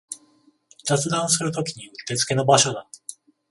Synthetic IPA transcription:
zat͡sɨd̪ãɰ̃s̬ɨɾɯ̟t̪o̞kʲiɲ̟iɯ̟t̪e̞t͡sɨ̥ke̞no̞baɕo̞d̪a

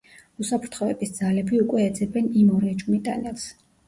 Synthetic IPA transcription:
usapʰɾt̪ʰχɔɛ̰bisd̪z̥alɛbiukʼwɛːd̪zɛbɛnimɔɾɛd͡ʒmit̪ʼa̰nɛlˠs

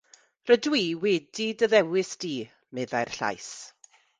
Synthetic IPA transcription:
rədwiːwɛdidəðɛwɪsd̥iː | mɛðajr̥ɬa̰js

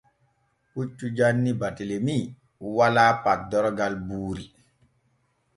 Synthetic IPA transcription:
ut͡ʃːud͡ʒanːibatelemi | uwalaːpat̚dɔɾɔɡalbuːɾi

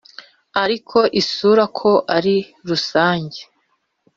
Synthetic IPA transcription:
aɾikʰo̞ʔisuːɾakʰo̞ʔaɾi | ɾusaːɲɟe

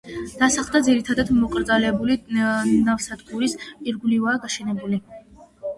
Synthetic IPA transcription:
d̪̥asaχlˠd̪ad̪ziɾit̪ʰad̪ad̪mɔkʼɾd̪zalɛbulinavsad̪ɡuɾispʼiɾɡulivaːɡaʃɛnɛbuli

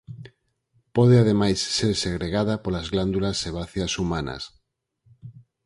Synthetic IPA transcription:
poðeað̞emajsːeɾseɣɾeɣaðapolazɣland̪ulasːeβ̞aθjasumana̰s

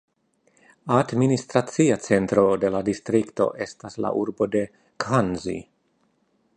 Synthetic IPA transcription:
administɾat͡siat͡se̞ntɾo̞de̞ladistɾikto̞̰ʔe̞stasla̰ʔuɾbo̞de̞ | kʰanzḭ

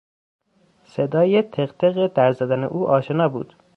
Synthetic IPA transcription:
sed̪ɒːjet̪ʰeɣt̪ʰeɣed̪æɾzæd̪ænḛʔuːʔɒːʃenɒːbṵːd̪̥

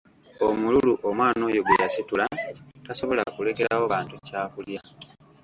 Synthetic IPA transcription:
omululuʔomwaːno̞ːjo̞ɡejasitulataso̞βo̞la̰kule̞ke̞ɾawo̞βaːntucaːkulja

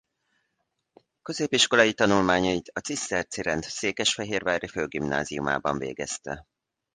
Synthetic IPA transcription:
kø̞zeːpiʃko̞lɒjit̪ɒnulmaːɲɒit̪ɒt̪sisɛrt̪siɾɛnt̪seːkɛʃfɛɦeːrvaːɾiføːɡimna̰ːziuma̰ːbɒɱvḛːɡɛ̰st̪ɛ̰

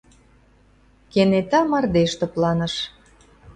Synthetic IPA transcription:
kenet̪ɑmɑrd̪eʃt̪ə̆plɑnə̆ʃ

